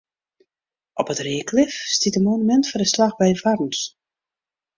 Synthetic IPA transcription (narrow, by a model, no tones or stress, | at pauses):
ʔɔpətreːkʰlɪfstitəmonymɛntfɔndəslaxbɛjvarn̩s